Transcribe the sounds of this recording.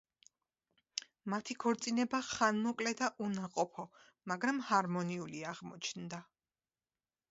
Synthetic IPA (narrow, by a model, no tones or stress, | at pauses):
mat̪ʰikʰɔɾt̪sʼinɛbaχanmɔkʼlɛd̪aʔunaqʼɔpʰɔ | maɡɾamhaɾmɔniuliaʁmɔt͡ʃʰnd̪a